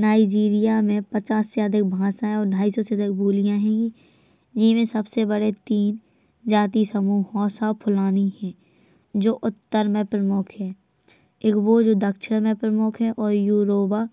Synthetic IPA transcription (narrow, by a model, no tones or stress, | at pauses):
naːɪd͡ʒiːɾijamẽpət͡ʃaːsːeəd̪ɪk̚bʱãːsãɛ̃ɔːɾɖʱaːisɔseəd̪ɪk̚bʱuːlɪjãɦɛ̃ːɡi | d͡ʒɪmẽsəbsebəɽet̪iːn | d͡ʒaːt̪̬isəmuːhɔːsapʰʊlaːnihɛ̃ː | d͡ʒoːʔʊt̪ːəɾmẽpɾəmʊkʰɦɛː | ɪkʋod͡ʒoːd̪əkʃəɽmẽpɾəmʊkʰɦɛ̃ʔɔːɾjuːɾoːba